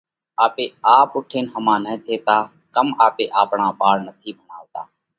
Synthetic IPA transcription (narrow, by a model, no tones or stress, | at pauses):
aːpeːaːpʊʈʰeːnɦəmãːnə̃ːt̪ʰeːt̪aː | kəmaːpeːʔaːpɳaːɓaːɽnət̪ʰiːbʱəɳaːʋt̪aː